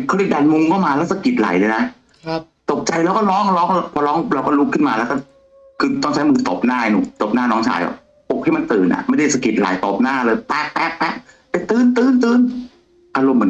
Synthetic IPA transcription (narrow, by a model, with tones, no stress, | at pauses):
kʰːɾi˧˩t̚daː˨˧˩nmu˧ŋkʰɔ˥˩wmaː˧lɛ˦˥wsa˧ki˨˩t̪̚la̰˨˩˦jlɤː˧na˦˥ | t̪o˨˩p̚t͡ɕa˧jlɛː˦˥wkɔ˥˩lɔː˦˥ŋlɔː˦˥ŋ˧˥pʰɔː˧lɔː˦˥ŋɾa˧wkɔ˥˩lu˦˥kʰːɯ˥˩nmaː˧lɛː˦˥wkɔ˥˩ | kʰɯː˧t̪ɔ˥˩ŋt͡ɕʰa˦˥jmɯː˧˩t̪ɔ˨˩p̚naː˥˩˧nṵː˨˧˩t̪o˨˩p̚naː˥˩nɔː˦˥ŋt͡ɕʰa̰ː˧˩jʔa̰˨˩ | po˨˩k̚hʰa˥˩jma˧nt̪ɯː˨˩nʔa̰˨˩ʔma˥˩jda˥˩jsa˧ki˨˩t̪̚la̰˨˦jt̪ɔː˨˩p̚naː˥˩lɤː˧jp̪ɛː˧˩k̚p̪ɛː˨˧˩k̪̚ɛ˨˩k̚ | t̪ɛː˨˧˩t̪ɯː˧nt̪ɯː˧nt̪ɯː˧n | ʔaː˧ɾo˧mːɯ˨˦